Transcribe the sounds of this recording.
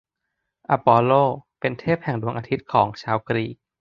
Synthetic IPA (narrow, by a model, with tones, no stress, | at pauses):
ʔa˧pɔː˧loː˥˩pe˧nt̪ʰeː˥˩p̚hɛ˨˩ŋdu˧əŋʔaː˧t̪ʰi˦˥t̪̚kʰɔː˩˦ŋt͡ɕʰaː˧wkɾiː˧˩k̚